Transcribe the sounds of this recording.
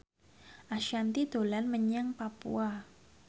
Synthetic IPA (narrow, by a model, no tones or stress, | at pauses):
ʔaʃant̪id̪̥o̤lanməɲaŋpapṵa